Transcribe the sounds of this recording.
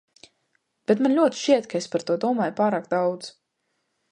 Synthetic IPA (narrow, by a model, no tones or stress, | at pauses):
b̥et̪manlʲuɔt̪i̥ʃt͡ʃiɛt̪kaespaɾt̪uɔd̪uɔmaːjupaːɾaːk̚d̪awd̪z̥